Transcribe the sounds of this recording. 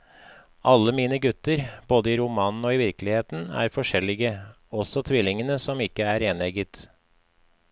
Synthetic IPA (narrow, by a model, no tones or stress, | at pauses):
ʔɑlːəmiːnəɡʉt̪əɾb̥oːd̪əiːɾʊmɑːnn̩oːiːʋɪɾklɪheːt̪n̩æ̰ːɾfɔʂɛlɪɡə | ɔsɔt̪ʰʋɪlɪŋənəsɔmɪkːəæɾeːnɛɡət̪